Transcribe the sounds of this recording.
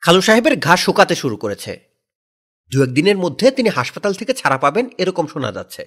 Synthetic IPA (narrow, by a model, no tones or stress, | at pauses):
kʰaloʃaɦebeɾɡʱaʃokat̪eʃuɾukoɾet͡ɕʰḛ | d̪uɛk̚d̪ineɾmod̪ʱːet̪iniɦaʃpat̪alt̪ʰeket͡ɕʰaɾapabeneɾɔkomʃona̰d͡ʑa̰t̪ːɕʰḛ